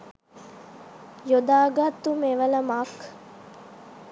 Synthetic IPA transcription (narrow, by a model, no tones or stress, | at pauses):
jod̪aːɡat̪ːumeʋələmak